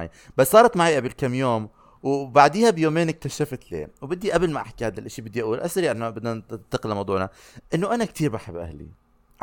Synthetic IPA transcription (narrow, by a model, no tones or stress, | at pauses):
ḭ | basːɑːɾˤɑt̪maʕiːʔabɪlkamːjoːm | wbaʕd̪iːhabjoːmeːnɪk̚t̪aʃaft̪lḛːwbɪd̪ːiʔablmaʔaħkihaːd̪alʔaʃibɪd̪ːiʔaʔuːlʔa̰sɾiʔɪnabɪd̪nat̪ːaqɪlmɑwd̪ˤuːʕnaʔɪnːoʔanak̚t̪iːɾbaħabːʔa̰hlḭ